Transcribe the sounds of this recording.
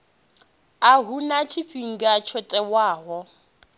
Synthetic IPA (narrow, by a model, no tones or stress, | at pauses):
aɦunat͡ʃʰiɸiŋ̩ɡat͡ʃʰɔtʼɛwaːɦɔ